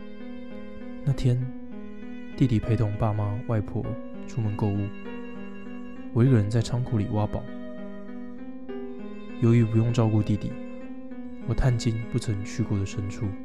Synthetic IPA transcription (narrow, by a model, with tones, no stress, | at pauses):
na˥˩t̪ʰjɛ˥n | t̪i˥˩t̪i˨˩pʰe˧˥ɪt̪ʰʊ˥˩ŋpa˥˧ma˥wa˥˧ɪpʰwɔ̰˥˩ | ʈ͡ʂʰu˥mə˧nko˥˧ʊu˥˩ | wɔ˨˩i˥ɡə˨ɻə˧˥nt͡sa˥˩ɪʈ͡ʂʰɑ˥ŋkʰu˧˥li˨˩wʔa˥pɑ˨˩˦ʊ | jo˧˥ʊy˧˥pu˧˥jʊ˥˧ŋʈ͡ʂɑ˥˧ʊku˥˧t̪i˥˩t̪ḭ˨˩˦ | wɔ˨˩t̪ʰa˥˩nt͡ɕi˥npu˥˩t͡sʰɤ˧˥ŋt͡ɕʰy˥˧ko˥˩d̪ə˩ʂə˥nʈ͡ʂʰu˥˩